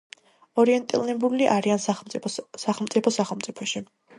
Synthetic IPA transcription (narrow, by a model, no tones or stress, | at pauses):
ɔɾiɛnt̪ʼḭlnɛbuliʔaɾianʼ | saχɛlˠmt̪sʼipʰɔsaχɛlˠmt̪sʼipʰɔʃi